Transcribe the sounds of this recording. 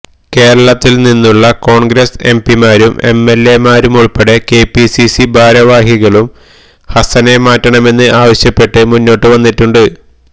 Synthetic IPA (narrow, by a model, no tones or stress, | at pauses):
ke̞ːɾɐɭɐt̪ːilninːuɭːɐko̞ːɳɡɾɐse̞mpimaːɾumʔe̞̰mːe̞lːe̞maːɾumuɭpe̞ɽe̞ke̞ːpisisibʱaːɾɐʋaːɦiɣɐɭum | hɐsɐne̞maːtːɐɳɐme̞nːɨʔaːʋɐɕjɐpːe̞ʈːɨmunːo̞ːʈːɨʋɐnːitːuɳɖɨ